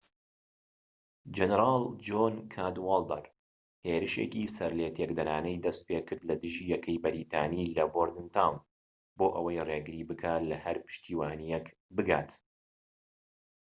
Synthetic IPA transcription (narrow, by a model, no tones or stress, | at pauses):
d͡ʒɛnɾaːlˠd͡ʒoːnkʰaːd̪walˠd̪ɐ̰ɾ | heːɾɨʃḛːkisɐɾleːt̪ʰekd̪ɐɾaːnɛjd̪ɐst̪̚peːkɨɾd̪lɐd̪ɨʒiːjɛkʰɐjbɐɾiːt̪ʰaːniːlɐboːɾd̪ɨnt̪ʰawn | boːʔɐwɐjreːɡɨɾiːbɨkʰaːlɐhɐɾpɨ̥ʃt̪iːwaːnijɛk | bɨɡaːt̪